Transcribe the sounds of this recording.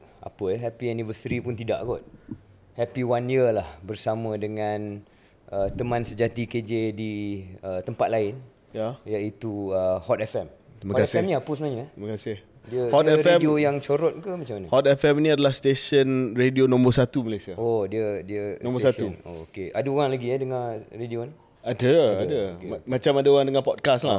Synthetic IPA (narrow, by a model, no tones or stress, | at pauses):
a̰pəɛɦɛpiɛnivəsit̪ɾipʊnt̪ida̰ʔɡɔt̪̚ | hɛpiwanjiəlahbərsamãdəŋãn | ʔət̪əmãnsəd͡ʒat̪iked͡ʒediət̪əmpat̪̚laɪn | jajait̪uəhɔt̪ɛfɛm | t̪imaɔaɛsɛmnĩapəsənaɲaɛiməkasɪh | diəhɔt̪ɛɾfɛemiojaŋt͡ʃoɾɔt̪̚kəmat͡ʃamːanahɔt̪ɛfɛminiadalahst̪esənredionɔ̃mbərsat̪umalajsiaodiədiənɔ̃mbəsat̪uno̰keʔa̰daoɣaŋlaɡiɛdəŋãredioni | adəadamat͡ʃamadaoɣaŋdəŋanpɔt̚kasla